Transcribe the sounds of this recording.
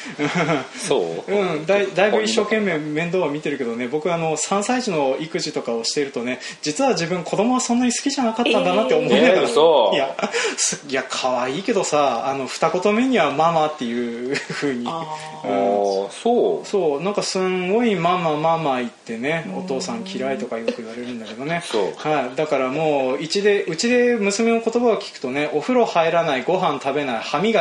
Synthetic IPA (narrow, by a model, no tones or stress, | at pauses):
ɯ̟̃ | oɯ̟̃d̪aid̪aibɯ̟iɕːo̞ːkẽ̞mːe̞ːmẽ̞nd̪oːβamʲit̪e̞ɾɯ̟ke̞d̪o̞ne̞bo̞kɯ̟ano̞sãɰ̃saiʑino̞ikɯ̟ʑit̪o̞kao̞ɕi̥t̪eɾɯ̟t̪o̞ne̞d͡ʑit͡sɨβad͡ʑibɯ̟̃ŋkʰo̞d̪o̞mo̞βasõ̞nːaɲ̟isɨ̥kʲiʑanakat̪ːãnd̪anat̪ːe̞omoajasɨjakʰaβaiːke̞d̪o̞saːno̞ɸɯ̟̥t̪ako̞t̪o̞meɲ̟iβamamat̪ːe̞jɯ̟ɸɯ̟ːɲ̟i | ɯ̃ɴsoːso̞ːnãŋkasɨ̃ŋɡo̞imamamamait̪ːe̞ne̞o̞t̪o̞ːsãŋkʲiɾait̪o̞kaiokɯ̟iβaɾe̞ɾɯ̟̃nd̪ake̞d̪o̞ne̞ohaid̪akaɾamo̞ːit͡ɕid̪e̞ʔɯ̟t͡ɕid̪e̞mɯ̟sɨme̞no̞ko̞t̪o̞baokʲi̥kɯ̟̥t̪o̞ne̞ʔo̞ɸɯ̟ɾo̞haiɾanaiɡo̞ɦãnt̪abe̞naihamʲiɡa